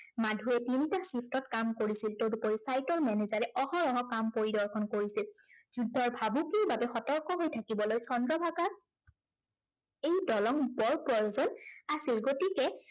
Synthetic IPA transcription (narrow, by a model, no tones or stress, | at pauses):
madʱuɛtinitasipʰtɔtkamkoɹisiltowdupɔɹisajtɔɹmɛnezaɹɛʔɔhɔɹɔɦɔkampoɹidɔɹkʰɔnkoɹisilz̥udʱɔɹbʱabukiɹbabɛxɔtɔɹkɔɦojtʰakibɔlojsɔndɹɔbʱaɡaɹ | ejdɔlɔŋbɔɹpɹɔjozɔnasilɡotikɛ